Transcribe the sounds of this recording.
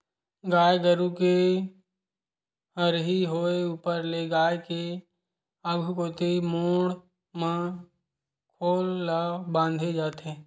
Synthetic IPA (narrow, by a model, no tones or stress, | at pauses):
ɡaːjɡəɾuke | ɦəɾɦiɦoːeuːpəɾleɡaːjke | əɡʱkoːt̪emoːɽ | mã | kʰoːlːabãːnd̪ʱed͡ʒaːt̪eː